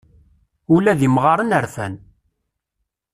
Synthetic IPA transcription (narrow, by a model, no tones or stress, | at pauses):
ulæðimʁɑɾˤənəɾfæ̰n